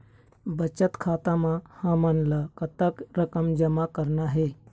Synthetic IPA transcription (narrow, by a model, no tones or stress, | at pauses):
bət͡ʃət̪kʰaːt̪ãmãhãːmənlakət̪əkɾəkəmd͡ʒəmakəɾnaɦeː